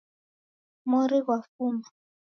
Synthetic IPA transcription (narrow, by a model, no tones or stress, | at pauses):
mɔɾiɣwafumba